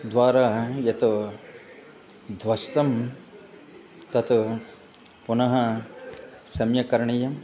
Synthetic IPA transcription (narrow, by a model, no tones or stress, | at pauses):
d̪ʋaːɾaːjɐt̪u | d̪ʱʋɐst̪ɐm | t̪ɐt̪u | punɐɦɐ | sɐmjɐkɐɾɐɳɐjɐm